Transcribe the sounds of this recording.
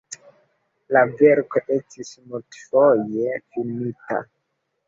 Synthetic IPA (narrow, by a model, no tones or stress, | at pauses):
lave̞ɾko̞ʔe̞stismultfo̞je̞finita̰